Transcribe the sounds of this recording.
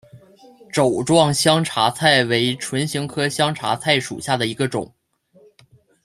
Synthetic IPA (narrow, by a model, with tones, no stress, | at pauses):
ʈ͡ʂo˨˩ʊʈ͡ʂwɑ˥˩ŋɕjɑ˥ŋʈ͡ʂʰa˧˥t͡sʰa˥˩ɪwe˧˥ɪʈ͡ʂʰwə˧˥nɕi˧˥ŋkʰɤ˥ɕjɑ˥ŋʈ͡ʂʰa̰˧˥t͡sʰa˥˩ɪʂṵ˨˩ɕja˥˩d̪ə˩i˧˥ɡə˧ʈ͡ʂʊ̰˨˩˦ŋ